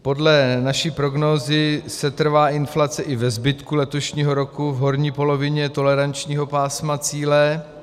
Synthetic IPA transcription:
po̞dlɛnaʃiːpɾo̞ɡnoːzɪsɛt̪r̩vaːʔɪnflat͡sɛʔɪvɛzbɪt̪kulɛt̪o̞ʃɲiːɦo̞ɾo̞kuvɦo̞ɾɲiːpo̞lo̞vɪɲɛt̪o̞lɛɾant͡ʃɲiːɦo̞paːsmat͡siːlɛ

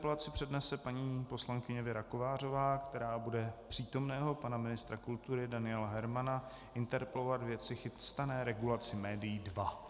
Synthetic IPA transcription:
plat͡sɪpr̥ɛdnɛsɛpaɲiːpo̞slaŋkɪɲɛvɪɾako̞vaːr̝o̞vaːkt̪ɛɾaːbudɛpr̝̥iːt̪o̞mnɛːɦo̞panamɪnɪst̪ɾakult̪uɾɪdanɪɛlaɦɛɾmana | ʔɪnt̪ɛɾpɛlo̞vat̪vjɛt̪t͡sɪxɪst̪anɛːɾɛɡulat͡sɪmɛːdɪjidva

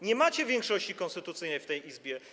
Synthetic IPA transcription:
ɲɛmat͡ɕɛvʲjɛŋkʂɔɕt͡ɕikɔnst̪ɘt̪ut̪sɘjnɛjft̪ɛjʔizbʲjɛ

